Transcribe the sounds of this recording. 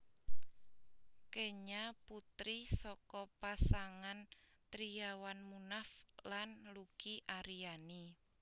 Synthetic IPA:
keɲaput̪ɾisɔkɔpasaŋan | t̪ɾiawanmunaflanlukiʔaɾiani

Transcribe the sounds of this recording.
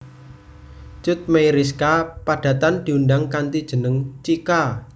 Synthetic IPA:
t͡ʃʊt̪̚mejɾiskapaɖ̥ä̤t̪and̪̥i̤undaŋkant̪id̥ʒ̥ə̤nəŋt͡ʃika

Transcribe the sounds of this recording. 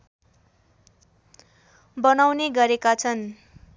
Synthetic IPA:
bʌnawneɡʌɾekat͡sʰʌn

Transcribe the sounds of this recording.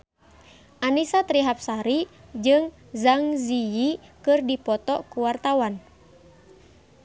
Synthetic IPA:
ʔanisat̪ɾiɦap̚saɾi | d͡ʒɨŋ | zaŋzijikɨrdipɔt̪ɔkuwart̪awan

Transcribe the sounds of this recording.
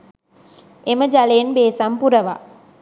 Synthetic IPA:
eməd͡ʒaleːnbeːsampuɾəʋa̰

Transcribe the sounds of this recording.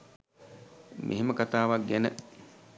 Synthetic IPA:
mʔḛɦeməkat̪aːʋaɡenə̰

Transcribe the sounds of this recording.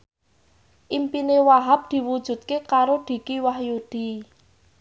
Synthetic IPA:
ʔimpinewaɦap̚d̪̥i̤wud̥ʒ̥ṳt̪̚kekaɾoɖ̪̥i̤kiwahjud̪̥i̤

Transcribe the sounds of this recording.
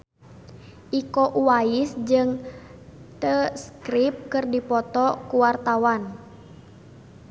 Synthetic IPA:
ʔikɔʔuwaisd͡ʒɨŋ | t̪əskɾip̚kɨrdipɔt̪ɔkuwart̪awan

